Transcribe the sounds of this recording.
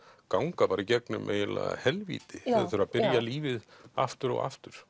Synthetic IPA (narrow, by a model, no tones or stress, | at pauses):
kawŋkapaːɾicɛk̚nʏ̰mʔḛːjɪla̰ːa̰hɛlvḭːt̪ɪɛðaθʏɾaðpɪɾjaliːvɪða̰ft̪ʏɾɔ̰ɣa̰ft̪ʏɾ̥